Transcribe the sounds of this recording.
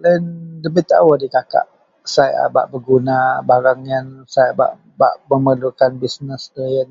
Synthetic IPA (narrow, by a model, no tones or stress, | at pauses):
landəmit̪a̰wadikaka̰ʔ | saja̰ba̰ʔbəɡunabaɾaŋjansajaba̰ʔ | baʔməməlukanbisnəsdəjən